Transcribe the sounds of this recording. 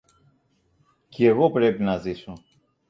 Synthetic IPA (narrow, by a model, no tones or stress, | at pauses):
ceɣopɾepinɐziso